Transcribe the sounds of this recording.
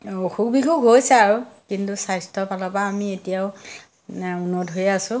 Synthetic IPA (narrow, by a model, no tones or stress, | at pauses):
oxuk̚bʱixuɡɦojsɛaɹukintusajstʰɔpalɔpaːmietijaʊ | unotɦojasʊ̃